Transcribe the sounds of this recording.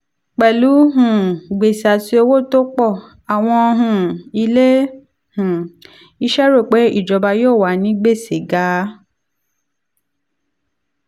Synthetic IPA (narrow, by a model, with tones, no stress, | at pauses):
k͡pɛ˨lu˨˦ɦũ˨ɡ͡be˨sa˨ti˦o˧wo˦˨to˦k͡pɔ˦˨ | a˨w̃ɔ̃˧ɦũ˨i˧le˦ | hũ˨ | i˧˦ʃɛ˦ɾo˦˨k͡pe˨˦i˦˨d͡ʒɔ˨˦ba˧joː˦˨wa˨˦nĩ˦ɡ͡be˦˨se˨ɡa˨˦